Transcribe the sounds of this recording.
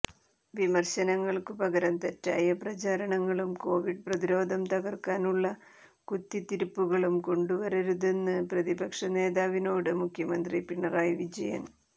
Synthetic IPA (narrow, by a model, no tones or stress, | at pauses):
ʋimɐrɕɐnɐŋːɐɭkɨpɐɣɐɾɐnt̪ɐtːa̰ːjɐprɐt͡ɕaːɾɐɳɐŋːɐɭumko̞ːʋiɖ̚prɐðiɾo̞ːd̪ʱɐmt̪ɐɣɐrkaːnuɭːɐ | kut̪ːit̪iɾupːuɣɐɭumko̞ɳɖuʋɐɾɐɾuðe̞nːɨprɐðibɐkʂɐne̞ːðaːʋino̞ːɽɨmukʰjɐmɐnd̪ripiɳːɐraːjʋid͡ʑɐ̰jɐ̰n